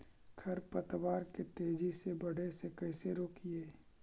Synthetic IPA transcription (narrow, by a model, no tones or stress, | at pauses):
kʰɐɾpɐt̪waːɾket̪eːd͡ʒisebɐɽ̤esekɐːseɾoːkieː